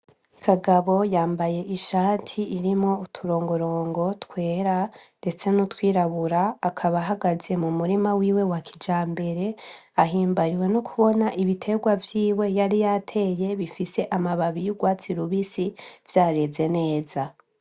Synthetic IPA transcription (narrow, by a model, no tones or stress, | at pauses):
kʰaɡaβo̞jaːmbaje̞ʔiʃaːtʰiʔiɾimŋo̞utʰuɾo̞ːŋɡo̞ɾo̞ːŋɡo̞twe̞ːɾande̞t͡se̞nutwiːɾaβuɾaːkʰaβaɦaɡaze̞mumuɾimawiːwe̞wakʰid͡ʒaːmbe̞ɾe̞ | aɦiːmbaɾiwe̞nokʰuβo̞naʔiβitʰe̞ɡwavjiːwe̞jaɾijatʰe̞je̞βifise̞ʔamaβaβijuɡwaːt͡siɾuβisivjaːɾe̞ze̞ne̞ːza